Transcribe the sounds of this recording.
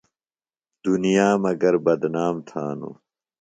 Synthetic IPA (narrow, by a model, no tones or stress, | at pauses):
d̪̥unijaːmɐɡɐɾbɐd̪naːmt̪ʰaːnṵ